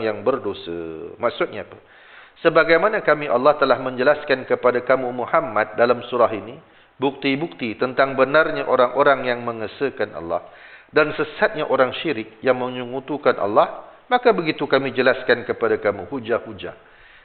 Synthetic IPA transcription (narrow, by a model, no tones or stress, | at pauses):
jaŋbərdosə̰mak̚sʊt̪̚ɲaːpə | səbaɡajmanãkamĩʔalːɑht̪əlahmə̃ɲd͡ʒəlaskankəpadakamumuhamːat̪̚dalamsuɾaɦini | buk̚t̪ibuk̚t̪it̪ənt̪aŋbənarɲaʔoɾaŋʔoɾaŋjaŋmə̃ŋəsəkanʔɑ̰lːɑ̰hdansəsat̪̚ɲaʔoɾaŋʃiɾɪk̚jaŋmə̃ɲuŋut̪ukanʔa̰lːɑhmakabəɡit̪ukamĩd͡ʒəlaskankəpadakamuhud͡ʒahud͡ʒa̰